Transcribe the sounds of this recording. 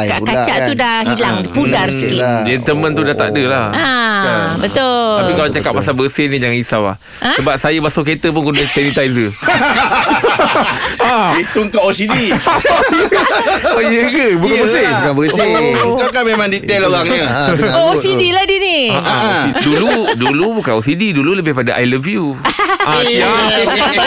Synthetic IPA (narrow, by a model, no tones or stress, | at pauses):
kaʔkat͡ʃaʔt̪udahɦilaŋpudarsiid͡ʒɛnt̪əmənt̪udaht̪a̰ʔdəlahaabət̪oapikalat͡ʃakap̚masabəsehnid͡ʒaŋisawa̰ | ʔasəbap̚sajəbasoket̪əp̬ʊnkundət̪ɛnit̪ajzə | ait̪uŋkaposidi | ojəkəbukkanbəsebukanbəsəŋkawkanmemãŋdit̪ɛloɾaŋɲəoosidiladiniaʔãduludulubukanosididululəbɪhpadaʔa̰jləvjuaa